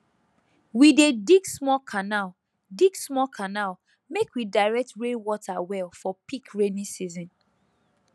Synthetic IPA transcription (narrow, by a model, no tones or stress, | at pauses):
widediɡsmɔkʰanal | diɡsmɔkʰanal | mekwidaɪɹɛk̚tɹẽnwɔtʰawɛlfɔpikɹenĩsizɔ̃n